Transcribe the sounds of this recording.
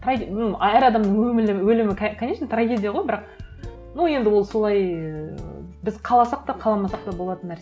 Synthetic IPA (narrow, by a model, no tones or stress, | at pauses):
t̪ʰranæɾɑd̪ɑmd̪əɴwɵmɪlɪwɵlɪmɪkʰkʰanʲe̞t͡ʃʃnet̪raɡʲe̞d̪ʲijaʁo̞jbɪɾɑq̚ | nuje̞nd̪ɪwo̞lˠso̞lˠɑj | bɪzqʰɑlˠɑsɑq̚t̪ɑqʰɑlˠɑmɑsɑq̚t̪ɑbo̞lˠɑt̪ənːæɾs